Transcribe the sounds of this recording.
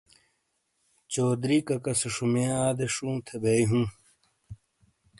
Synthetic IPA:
t͡ɕoːd̪ɾiːkɐkɐsuʂumẽaːd̪eʂũːt̪ʰebeiɦũː

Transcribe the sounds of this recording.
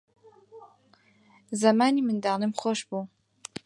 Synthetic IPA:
zɐmaːniːmɨnd̪aːlɨmxoːʃbuː

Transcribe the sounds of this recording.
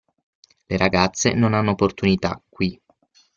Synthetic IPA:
leɾʔaɡat̪sːḛnonanːoopːort̪unit̪a̰kːwi

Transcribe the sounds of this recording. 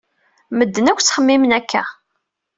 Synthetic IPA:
məd̪ːənækʷːt͡sːχəmːimnækːæ̰

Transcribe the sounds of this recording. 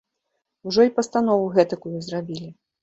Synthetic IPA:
uʐɔipɐst̪anɔvuɣɛt̪ɐkujuzrabʲilʲi

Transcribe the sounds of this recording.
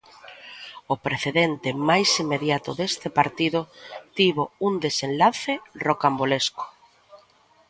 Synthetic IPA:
opɾeθeðent̪ɪmajsimːeðjat̪ʊðest̪epaɾt̪iðʊt̪iβound̪esenlaθerokambolesko̥

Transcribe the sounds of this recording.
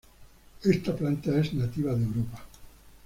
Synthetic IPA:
est̪aplant̪aeznat̪iβaðewɾopa

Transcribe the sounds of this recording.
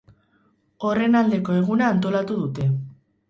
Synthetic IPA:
o̞re̞nald̪e̞ko̞e̞ɣ̞unaːnt̪o̞lat̪uðut̪e̞

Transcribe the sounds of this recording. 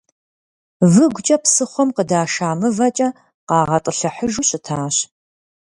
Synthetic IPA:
vɨɡʷt͡ʃʼɐpsɨχʷɔmqədaːʃaːmɨvɐt͡ʃʼɐ | qɑːʁɐtʼɨɬɐħəʒuɕʼɪtʰaːɕ

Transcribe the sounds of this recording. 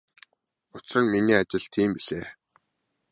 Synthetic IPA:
ʊt͡srə̆nminiːat͡ɕɪ̆ɮt̪ʰiːmpiɮeː

